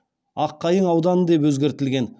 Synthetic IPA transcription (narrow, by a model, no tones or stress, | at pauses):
ɑqːɑjəɴɑwd̪ɑnəd̪e̞pwɵzɡʲe̞ɾt̪ɪlɡʲe̞n